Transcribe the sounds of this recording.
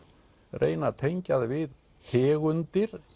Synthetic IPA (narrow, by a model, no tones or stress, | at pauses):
rʔḛːjnat̪ʰejɲcaðvɪð | hʰɛːɣʏnt̪ɪɾ̥